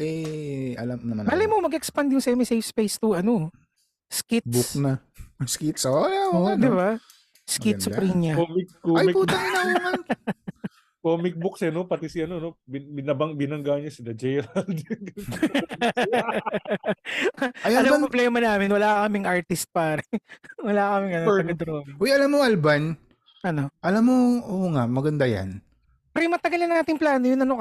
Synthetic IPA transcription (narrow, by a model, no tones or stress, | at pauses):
ʔɛʔɐlɐmnɐmɐmaːlɐjmomɐɡʔɛkspɐnd̪jʊŋsɛmɪsɛjfspejst̪uʔɐno | skɪt̪bʊknɐskit̪sod̪ɪba | skɪt̪sɐpɾiɲɲɐkomɪkkoaɪpuːt̪ɐɐnɐnmɐn | koːmɪk̚bʊksɛnopɐt̪ɛsɪɐnonobɪbɪnɐbɐŋbɪnɐŋɡaɲɐsɪd̪ɐd͡ʒɛjɾɐld̪ɪɐŋɡɐ | ɐjaɐlɐmopoblɛːmɐnaːmɪnwɐlakɐmɪŋʔaɹt̪ɪst̪̚paːɾɛwɐlakɐmɪŋɐnmɪd̪ɾoʔojʔɐlamːoʔɐlban | ʔɐnoʔɐlamːoʔoːʔŋaʔmɐɡɐnd̪ajɐ̰n | pɾɪmɐt̪ɐɡɐlɐnaːt̪ɪŋplaːnojʊnːɐnok